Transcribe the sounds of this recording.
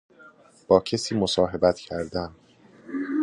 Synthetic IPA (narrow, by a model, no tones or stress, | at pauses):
b̥ɒːcʰesiːmosɒːɦe̞bæt̪cʰæɾd̪æn